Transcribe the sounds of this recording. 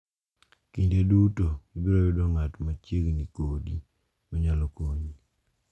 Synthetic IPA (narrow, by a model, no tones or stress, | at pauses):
kindedutobiɾɔjudɔŋatmat͡ʃjeɡnikodi | mɔɲalɔkoɲi